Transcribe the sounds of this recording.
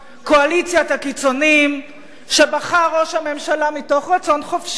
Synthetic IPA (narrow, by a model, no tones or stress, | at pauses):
ko̞alit͡sjat̪akit͡so̞nim | ʃe̞baχaʁo̞ʃhame̞mʃalamito̞χʁat͡so̞nχofʃ